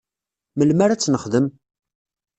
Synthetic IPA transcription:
məlmaɾat͡sːnəχðəm

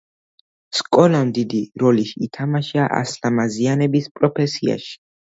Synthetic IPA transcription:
skʼɔlamd̪id̪iɾɔliʃiːt̪ʰamaʃaʔa̰slamazianɛbispʼɾɔpʰɛsia̰ʃi̥

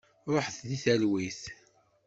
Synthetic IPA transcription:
ɾˤoħθðiθælwiθ

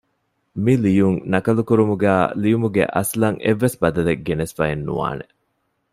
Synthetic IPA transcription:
milijuŋnɐkɐlukuɾumuɡæːlijumuɡḛʔɐ̰slɐŋʔeʋːesbɐd̪ɐleɡenesfɐenːṵʋa̰ːne

